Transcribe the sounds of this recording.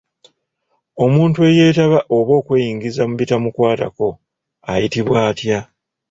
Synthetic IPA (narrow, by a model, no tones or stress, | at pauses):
o̞muːntue̞je̞ːtaβaʔo̞βo̞ːkweːjiːŋɡizamuβitamukwaːta̰ko̞ | ajitiβwaːtja